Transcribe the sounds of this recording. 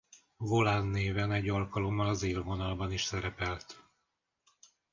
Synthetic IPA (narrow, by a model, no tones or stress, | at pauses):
vo̞lanːeːvɛnɛɟːɒlkɒlo̞mːɒlɒzeːlvo̞nɒlbɒniʃsɛɾɛpɛlt̪